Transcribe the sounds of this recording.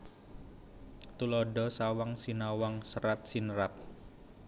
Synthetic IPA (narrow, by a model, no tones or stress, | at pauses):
t̪ulɔɖɔsawaŋsinawaŋsəɾat̪̚sinəɾap̚